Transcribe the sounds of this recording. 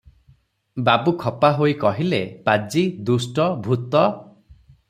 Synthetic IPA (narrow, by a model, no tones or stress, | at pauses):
babukʰɔpaɦojikɔɦilepad͡ʒid̪usʈɔbʱut̪ɔ